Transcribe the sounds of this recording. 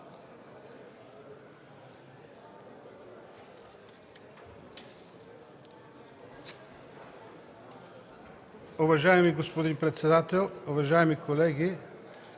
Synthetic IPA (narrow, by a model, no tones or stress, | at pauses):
ʊvɐʒaɛmiɡospod̪inpɾɛt̪sɛd̪at̪ɛlˠuvɐʒaɛmikʰolɛɡi